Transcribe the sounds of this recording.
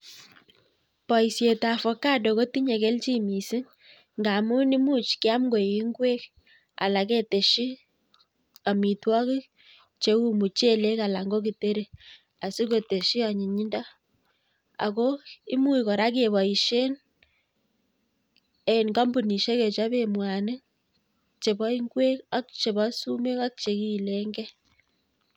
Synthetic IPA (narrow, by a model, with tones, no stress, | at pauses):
pɔ˨i˨sje˨ta˨fɔ˨ka˦do˨ko˦ti˦ɲe˨ke˦lt͡ʃi˦mi˨si˦ŋ | ŋɡa˨mu˦ni˦mu˦t͡ʃki˦a˦mɡo˨i˨i˦ŋɡwe˦k̚ | a̰˨la˨ke˦te˨ʃi˦ | ka˨mi˨twɔ˦ki˦ | t͡ʃe˦u˦mu˨t͡ʃe˦le˦ka˨la˨ŋɡo˦ki˨te˦ɾe˦˨ | a˨si˦ko˨te˨ʃi˦a˨ɲi˨ɲi˦nda˦ | a̰˨kɔ˦i˦mu˦i˨kɔ˨ɾa˦k̬e˨βa˨i˨ʃe˦n | ɛ˨nɡa˦mbu˨ni˨ʃe˦ke˨t͡ʃa˦be˨mwa˨nɨ˦ | t͡ʃe˨ba˦i˦ŋɡwe˦ka˦k̚t͡ʃe˨ba˦su˦me˦ka˦k̚t͡ʃe˨ki˦˨le˦ŋɡɛ˦